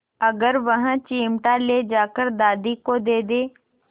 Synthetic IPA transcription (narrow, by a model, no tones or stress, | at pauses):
əɡəɾʋəɦãt͡ʃiːmʈaleːd͡ʒaːkəɾd̪aːd̪ikod̪eːd̪eː